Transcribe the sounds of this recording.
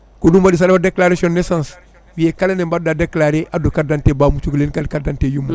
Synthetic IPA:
kodumadis̬adabadeklaɾasiɔ̃nːesãns | wijekalenembaddadeklaɾeʔadokaɾdãntebaːmut͡ʃuklenkadkaɾdãntejumːo

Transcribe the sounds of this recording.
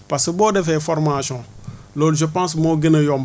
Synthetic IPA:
paseboːdefɛfɔɾmasɔ̃lolʒəpãsmoɡinejɔm

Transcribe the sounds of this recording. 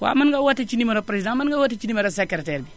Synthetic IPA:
ka̰manɡawatːet͡ʃinimaɾopɾezidãmanɡawatet͡ʃinimaɾosekeɾeteɾbi

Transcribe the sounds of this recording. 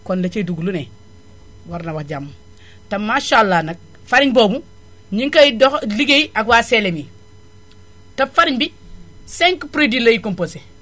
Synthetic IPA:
kondat͡ʃeduɡulune | waɾnawaxd͡ʒamː | tamːaʃalːanak̚ | faɾiɲbobu | ɲiŋkajidoxliɡeiʔakwaselemi | tafaɾiɲbi | seŋkpɾidilajikompose

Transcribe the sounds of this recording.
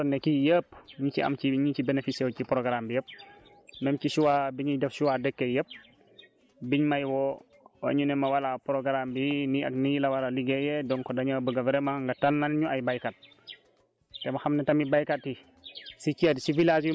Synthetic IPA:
nɛkijəːpɲiciɐ̰mciɲit͡ʃibenefisɛwcipɾɔɡɾambijəp̚ | mɛmcisuwabiɲidɛfsuwadəkːejəp̚ | biɲmajwɔ | wa̰ɲunɛmɐwalapɾɔɡɾambinia̰knijilawalaliɡɛjɛdɔŋkɔdaɲabəɡavɾɛmaŋɡatanːanɲuajbajkat̚ | tːɛmaxamnɛtɐmibajkatːi | sit͡ʃedsivilazj

